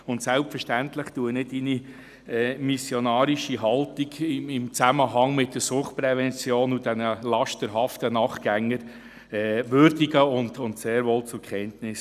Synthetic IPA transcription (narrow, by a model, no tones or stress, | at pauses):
ʊntsɛlpfəɾʃtæntləχtuənɪtːini | ɛːmisjonɑːɾiʃiɦɑltiɡɪmɪmt͡sæməɦɑŋmɪt̚d̥əɾsʊχt̚pɾɛvɛnt͡sjoːnudɛnəlɑʃtəɾɦɑftənɑːχɡ̥æŋːəɾ | ɛːʋʏɾdiɡəʊndʊntseːɾʋoːlt͡sʊkʰχɛntnɪs